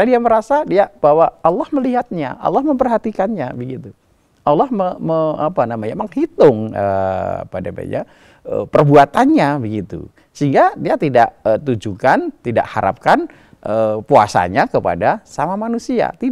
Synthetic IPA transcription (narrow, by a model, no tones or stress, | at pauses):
adiaməɾasadiab̥awaalːɔhməliɦat̪̚ɲa̰ʔa̰lːɔhməmpərɦat̪ikanɲabəɡit̪u | ʔalːɔhməməapanamaɲaməŋhit̪ʊŋəa̰padaba̰ɲa̰ | ə̰pərbuat̪anɲabəɡit̪ṵ | səiŋɡadiat̪idaʔət̪ud͡ʒukant̪ida̰ʔha̰ɾʔa̰p̚kan | ʔəpua̰sa̰ɲakəpa̰dasamamanusia̰t̪i